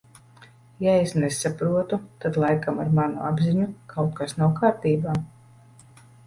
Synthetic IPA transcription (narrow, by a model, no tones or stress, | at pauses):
jaesnesapɾuɔt̪ut̪ad̪lˠajkamaɾmanṵabziɲukʰawt̪̚kasnawkaːɾt̪iːbaː